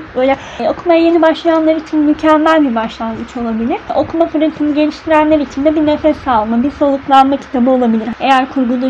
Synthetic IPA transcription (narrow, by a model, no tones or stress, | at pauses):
bøːjlʲɛ | o̞kʰumajaje̞nibaʃlˠajanlˠaɾit͡ʃʰinmycʰænːælʲbibaʃlˠanmɯt͡ʃʰo̞lˠabilʲiɾ̥o̞̰kʰumafɯɾɯnt̪ʰɯnɯɟe̞lʲiʃt̪ʰiɾænlʲeɾit͡ʃʰind̪ɛbinefɛsalˠmabiɾso̞lˠuklˠanmacʰi̥t̪ʰabɯolˠabilʲiɾe̞jæɾkʰuɾɡulˠu